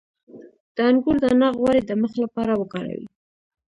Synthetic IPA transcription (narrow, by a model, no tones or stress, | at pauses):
d̪̥əaŋɡuɾd̪ənɑɣwaɾed̪əməxlapɑɾawəkɑɾa̰wḭ